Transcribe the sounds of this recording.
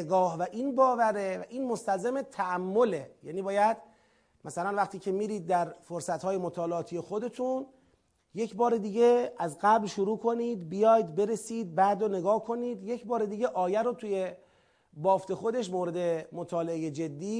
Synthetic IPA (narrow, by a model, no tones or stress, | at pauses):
eɡɒːɦvæʔiːnbɒːvæɾevæʔiːnmost̪ælzemet̪ʰæʔæmːo̞lejæ̰ːniːbɒːjæd̪ | mæsælænvæxt̪ʰiːcʰe̞miːɾiːd̪̚ːæɾfoɾsæt̪hɒːje̞mot̪ʰɒːleɒːt̪ʰije̞xo̞d̪e̞t̪ʰun | je̞cʰbɒːɾed̪iːɟe̞æzɡæblʃuɾuːkʰo̞niːd̪bijɒːjd̪beɾe̞siːd̪̚bæːd̪one̞ɡɒːhkʰo̞niːd̪jecbɒːɾed̪iːɟe̞ʔɒːjæɾot̪ʰuje̞ | bɒːft̪ʰe̞xod̪e̞ʃ̬moːɾe̞d̪e̞mot̪ʰɒːleejed͡ʒe̞d̪ːiː